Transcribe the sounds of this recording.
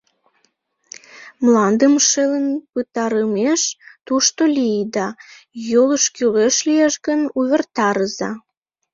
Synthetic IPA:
mlɑnd̪əmʃelənpət̪ɑɾəmeʃt̪uʃt̪olʲijd̪ɑ | joləʃkyleʃlijeʃɣənuβʲert̪ɑɾəzɑ̰

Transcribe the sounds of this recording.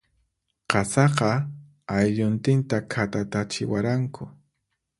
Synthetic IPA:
qɑsɑqɑ | ajʎʊnt̪ɪnt̪akʰat̪at̪at͡ʃɪwaɾaŋkʰʊ

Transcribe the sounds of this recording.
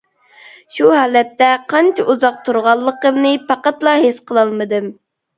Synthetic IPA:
ʃuɦɑːlɛt̪ːɛqʰɑnt͡ʃʰɪʔuzɑq̚t̪ʰuɾʁɑlˠːəqəmnɨpʰɑqæt̪lˠɑɦesqʰəlˠɑlˠmɨd̪ɨm

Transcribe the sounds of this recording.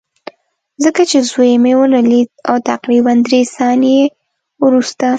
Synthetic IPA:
zəkat͡ʃezwojmewəlalid̪̚awt̪aqɾiband̪ɾesɑnje | wɾust̪a

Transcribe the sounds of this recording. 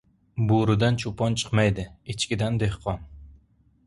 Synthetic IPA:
boɾɪd̪ant͡ʃʰʊpʰɒnt͡ʃʰɨ̥qmajd̪ɪɪt͡ʃkʲɪd̪and̪ehqʰɒn

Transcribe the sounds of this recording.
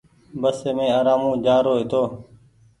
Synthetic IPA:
bəseːmẽːaːɾaːmũːd͡ʒaːɾoːɦɪt̪oː

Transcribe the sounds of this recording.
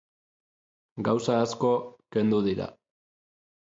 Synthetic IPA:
ɡawsaːsko̞ke̞nd̪uðiɾa̰

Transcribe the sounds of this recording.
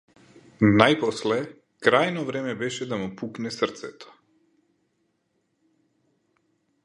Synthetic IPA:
najpɔslɛ | kɾajnɔvɾɛmɛbɛʃɛd̪amupuknɛsərɾt̪sɛt̪ɔ̥

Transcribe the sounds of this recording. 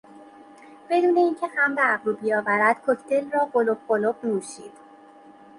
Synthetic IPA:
b̥e̞d̪uːne̞iːncʰe̞hæmd̪æbɾuːbijɒːvæɾæd̪̥kʰocʰt̪ʰe̞lrɒːɢo̞lob̚ɢo̞lobnuːʃiːd̪̥

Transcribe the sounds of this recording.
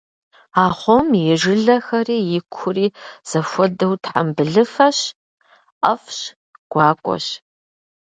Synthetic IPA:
aːχʷɔmjɛʒɪɮɐxɐriːjɪkʷʰʊriːz̥ɐfʷɔdɐwtʰħa̰mbɨɮɨfɐɕ | ɐfɕ | ɡ̥ʷɑːkʷʼɔ̰ɕ

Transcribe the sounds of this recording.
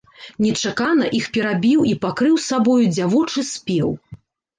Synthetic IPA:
nʲɛt͡ʂakanɐʔixpʲɛɾabʲiwipakɾɨwsabɔjud͡zʲavɔt͡ʂɨsʲpʲɛw

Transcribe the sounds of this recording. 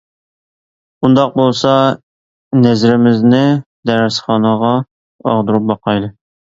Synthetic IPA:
und̪ɑq̚bolˠsɑ | nɛzɾɪmɪznɪd̪ɛɾæsχɑnɑʁɑ | ɑ̰ʁd̪uɾup̚bɑqɑjd̪ˠɨ

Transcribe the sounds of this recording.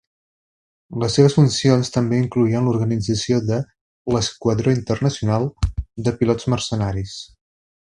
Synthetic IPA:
ləsːeβ̞əsfunsionst̪əmbeiŋkluiənluɾɣənid͡zəsioðə | ləskwəðɾoint̪ərnəsiunalˠd̪əpilɔd͡zmərsənaɾis

